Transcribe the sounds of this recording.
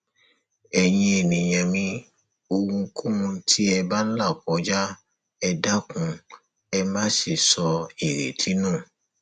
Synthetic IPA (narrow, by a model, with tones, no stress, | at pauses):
ɛ˧jĩ˧e˨nĩ˨j̃ã˨mĩ˧ | o˧wũ˧˦kʰũ˦ũ˧˦tʰi˦ɛ˧ba˦n̩˦la˦˨kɔ˨˦d͡ʒa˦ | ɛ˧da˦kũ˧ | ɛ˧mã˦ʃe˦˨sɔ˧i˨ɾḛ˨tʰi˨˦nũː˦˨